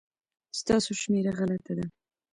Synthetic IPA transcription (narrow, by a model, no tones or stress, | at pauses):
st̪ɑsoʃmeɾaɣalat̪ad̪a